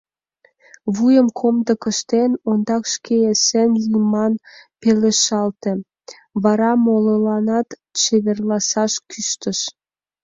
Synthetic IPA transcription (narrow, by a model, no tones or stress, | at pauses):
βujəmkʰomd̪əkə̆ʃt̪enond̪ɑkʃkeesenlijmɑnpeleʃɑlt̪ĕ | βɑɾɑmololɑnɑt̪ | t͡ʃeβerlɑsɑʃkyʃt̪əʃ